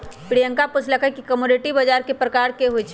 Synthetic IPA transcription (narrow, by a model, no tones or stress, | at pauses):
pɽijəŋkapʊt͡ʃʰləkʰəkikəmuniʈibəd͡ʒaɾkepɾəkaːɾkeɦoit͡ʃʰ